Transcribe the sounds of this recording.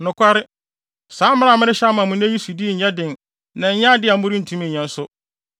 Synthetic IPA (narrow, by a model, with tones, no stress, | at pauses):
nʊ̃˨kʰʷa˦ɾɪ˦ | sãː˨˦m̩˦mã˦a˨mɪ̃˦ɾɪ̃˦ɕmã˨mʊ̃˨ñ˦ji˦su˨di˦˨ɲ̩˨ɲã˦dɪ̃˨n | nã˨ɲ̩˦ɲã˦dɪ˦a˨m̩˦ʊ̃˦ɾĩ˦n̩˨tʰũ˦mɪ̃˨ɲã˨˦n̩˦sʊ˦